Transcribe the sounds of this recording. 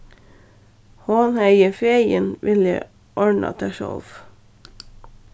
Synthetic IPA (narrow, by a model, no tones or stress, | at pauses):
hoːnhæɪəfejənʋʔɪlə̰ | ʔɔɹɳɑ̰t̪ʰæʃɔ̰lf